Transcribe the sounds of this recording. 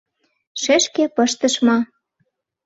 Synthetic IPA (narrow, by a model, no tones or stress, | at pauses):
ʃeʃkepɤ̆ʃt̪ə̆ʃmɑ